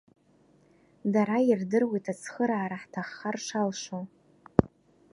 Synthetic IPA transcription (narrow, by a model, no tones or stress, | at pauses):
daɾairdɨrwejtʰat͡sʰχəɾaːɾaħtʰaχːarʂalʂo